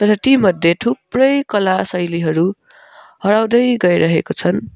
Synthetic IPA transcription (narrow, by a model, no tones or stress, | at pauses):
t̪ʌɾʌt̪imʌd̪ʱːjeʈʰuprʌjkʌlasʌjliɦʌɾu | hʌɽawd̪ʌjɡʌjɾʌɦekot͡sʰʌn